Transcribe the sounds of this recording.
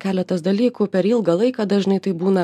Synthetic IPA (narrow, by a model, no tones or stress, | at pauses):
kʲæːlʲɛt̪ɐsd̪ɐlʲiːkuːpʲɛɾɪlˠɡɐlˠɐɪkɐd̪ɐʒʲɪnɐɪt̪ɐɪbuːnɐ